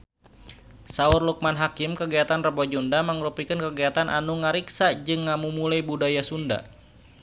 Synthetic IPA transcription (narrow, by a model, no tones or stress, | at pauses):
saurluk̚manɦakɪmkəɡiat̪anrəbɔd͡ʒundaməŋəɾupikənkəɡiat̪anʔa̰nuŋəɾiksad͡ʒɨŋːamumulajbudajasunda̰